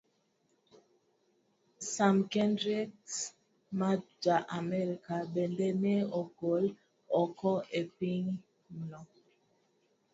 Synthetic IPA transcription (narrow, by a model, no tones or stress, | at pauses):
samkɛndɹiks | mad͡ʒaʔamɛɾikaɓɛndɛmɛoɡol | ɔkɔʔepiŋ | nɔ